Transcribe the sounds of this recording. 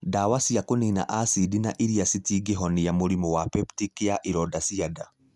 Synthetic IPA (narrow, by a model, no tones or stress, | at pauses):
dawasiakonina̰ʔasidinaʔiɾiasitiːɡeɦɔnejamoɾimɔwapɛptikeaʔiɾɔdasiada